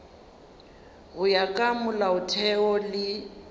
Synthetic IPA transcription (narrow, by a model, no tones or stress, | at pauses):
ɣʊjakʼamʊlaʊtʰɛɔlɪ